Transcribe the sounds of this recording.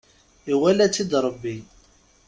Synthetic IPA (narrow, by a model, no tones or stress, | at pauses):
iwælæt͡sːid̪ɾˤəbːi